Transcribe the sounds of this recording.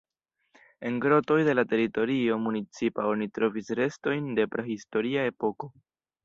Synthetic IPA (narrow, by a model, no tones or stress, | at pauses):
e̞nɡɾo̞to̞jde̞late̞ɾito̞ɾio̞munit͡sipao̞nitɾo̞visɾe̞sto̞jnde̞pɾʔehisto̞ɾiae̞po̞ko̞